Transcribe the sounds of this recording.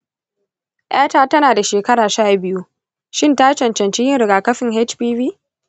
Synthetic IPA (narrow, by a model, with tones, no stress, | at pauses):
ʔaː˦taː˦tɐ˦naː˨da˨ʃeː˨kɐ˦ɽaː˨ʃaː˦˨bɪ˦ju˦ | ʃɪ˦ntaː˦t͡ʃɐ˨nt͡ʃɐ˨nt͡ʃiː˦jɪ˦ŋɾɪ˨ɡaː˨kɐ˦ɸɪ˨ŋɦe˦t͡ʃɸiː˦viː˦